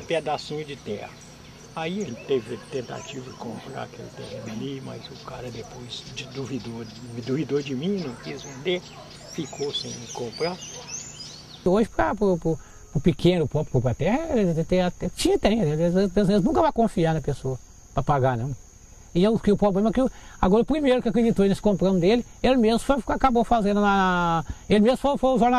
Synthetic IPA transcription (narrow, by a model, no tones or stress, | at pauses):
ped̪asĩɲʊd͡ʒɪt̪ɛ̰hɐ | aiɐʒẽt͡ʃɪ̥t̪evɪt̪ẽnt̪a̰t͡ʃivɐd͡ʒɪkõmpɾa̰ɐkḛlɪt̪ḛɦĩnɐlimɐ̰zʊkaɾɐd̪epojzd͡ʒɪd̪uvid̪oɾ | id̪uvid̪oɾd͡ʒɪmĩnɐ̃w̃kizvẽnd̪e | fikʰosẽj̃kõmpɾa | oʒɪpɾɐpɾʊpʊ | pɾʊpikʰẽnʊpɔpɾɪkũpɾat̪ɛhɐelɪt̪ẽat̪ɛt͡ʃĩɲɐt̪ẽj̃d̪eeepezmẽznũkɐvajkõfianɐpesoɐ | pɾɐpaɡanɐ̃w̃ | ɪewkɪʊpɾoblẽmɐkɪʊa̰ɡɔɾɐʊpɾimejɾʊkɪwakɾed͡ʒit̪oenesɪ̥kõmpɾɐ̃d̪ʊd̪elɪ | elɪmezmʊfojkakabowfazẽnd̪ʊna | elɪmezmʊfojfojʊʒoɾna